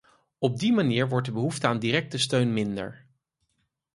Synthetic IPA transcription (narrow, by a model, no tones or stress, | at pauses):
ɔb̚dimaniːɹʋɔɹt̚dəbəɦuftəaːndiɾɛk̚təstøɥnmɪndə̰ɹ